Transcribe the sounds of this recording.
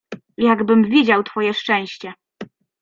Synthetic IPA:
jaɡbɘmvʲid͡ʑawt̪fɔjɛʂt͡ʂɛ̃w̃ɕt͡ɕɛ

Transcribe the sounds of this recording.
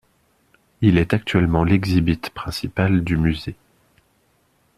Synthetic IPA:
ilɛt̪ak̚t̪ɥɛlmɑ̃lɛɡzibit̪pχɛ̃sipald̪ymyze

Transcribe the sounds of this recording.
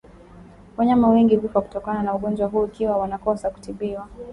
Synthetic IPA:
waɲamawɛŋɡivifɔku̥tɔkananauɠɔnd͡ʒwaɦuːikiwawanakɔsaku̥tiɓiwa

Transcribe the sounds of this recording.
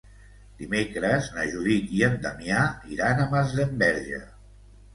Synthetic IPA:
d̪̥imekɾəznaʒuðit̪iənd̪amjaiɾanəmazðəmbɛɾʒə̰

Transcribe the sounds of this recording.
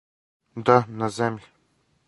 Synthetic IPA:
d̪anazɛmlʲ

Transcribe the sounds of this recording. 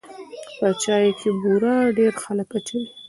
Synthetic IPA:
pət͡ʃɑjekʰebuɾɑɖeɾxaləkaʈʰil

